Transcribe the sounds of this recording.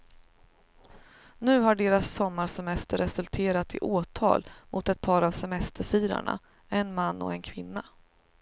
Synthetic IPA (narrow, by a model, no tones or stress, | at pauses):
nʉ̟ːɦaɖeːɾasːɔmːaɾʂɛmɛst̪əɾːɛsɵlt̪ʰeːɾat̪ʰɪ̰ʔoːt̪ʰɑ̰ːlmʔʊt̪ɛt̪̚pʰɑːɾavsɛmɛst̪ʰəɾfiːɾa̰ɳa̰ | ɛnmanːɔ̰ɛnkʰvɪnːa